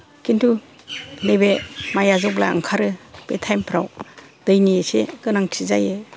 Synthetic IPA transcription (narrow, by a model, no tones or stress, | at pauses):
kintʰu | nebemajazɔkbla̰a̰ŋkʰaɾɯpetʰajmpʰɾaw | d̥ɯjnieseɡɯnaŋtʰizajɯ